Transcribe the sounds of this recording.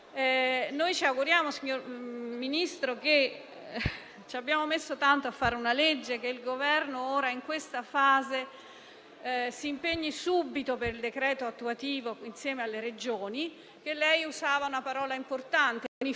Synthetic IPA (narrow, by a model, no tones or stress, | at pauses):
nojt͡ʃiaɡuɾjaːmosiɲːorminist̪ɾoke | t͡ʃiabːjaːmomesːot̪ant̪oafːaːɾeunaled͡ʒːekeilɡovɛrnoɔːɾaiŋkwest̪afaːze | siːmpeɲːisubːit̪opeɾild̪ekɾɛːt̪oat̪ːuat̪iːvoinsjɛːmealːeɾed͡ʒoːni | k̟elːɛjusaːvaunapaɾɔːlaimport̪ant̪eni